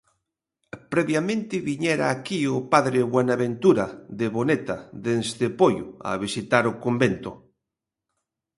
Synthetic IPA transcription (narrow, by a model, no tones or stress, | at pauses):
pɾɛβjamẽnt̪ɪβiɲɛɾaːkiʊpaðɾɪβwenaβent̪uɾaðeβonet̪aðenzd̪ɪpojʊ̰a̰βisit̪aɾʊkombent̪ʊ